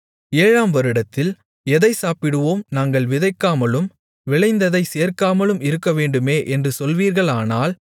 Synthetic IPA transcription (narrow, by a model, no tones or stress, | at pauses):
eːɻaːmʋɐɾɯɽɐt̪ːɪl | ɛðɐɪsaːpɪɽɯʋoːmnaːŋɡɐɭʋɪðɐɪkːaːmɐlɯm | ʋɪɭɐɪnd̪ɐðɐɪseːɾkaːmɐɭɯmɪɾɯkːɐʋeːɳɖɯmeːʔɛndrɯsɔlʋiːɾɣɐɭaːnaːl